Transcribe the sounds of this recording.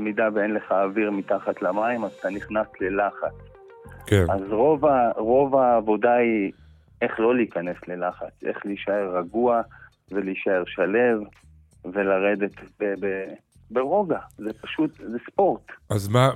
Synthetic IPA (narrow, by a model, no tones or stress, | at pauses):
midaveenle̞χaːviʁmitaχatlamaimazt̪aniχnasle̞laχat͡s | keazʁovaʁo̞vaːvo̞dai | e̞χlo̞liːkane̞sle̞laχat͡sʔe̞̰χliiʃae̞ʁːaɡua | ve̞liːʃae̞ʁʃale̞v | ve̞laʁe̞d̪e̞tbebe | beʁo̞ɡazepaʃut̪zespo̞ʁt̪azma